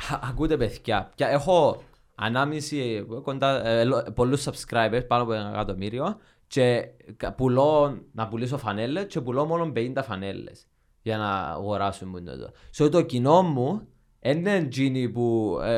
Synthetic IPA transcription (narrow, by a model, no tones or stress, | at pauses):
kut̪epeθcɐceexo̞ | ɐ̰namisikond̪alopolːusːɐpskɾajpeɾspanopunekat̪omiɾio | t͡ʃekpuloːɐpulis̬ofɐne̞lːe̞st͡ʃepulomolo̞mbeint̪ɐfɐnelːe̞̰s | ʝɐnɐ̰ɣoɾasumːunːo̰t̪o̰sot̪ocino̞mːu | enːend͡ʒinipu